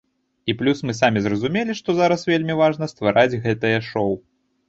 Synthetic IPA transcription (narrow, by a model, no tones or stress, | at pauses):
iplʲusmɨsamʲizrɐzumʲelʲiʂt̪ɔzaɾɐsvʲelʲmʲivaʐnɐst̪vaɾad͡zʲɣɛt̪ɨjɐʂɔw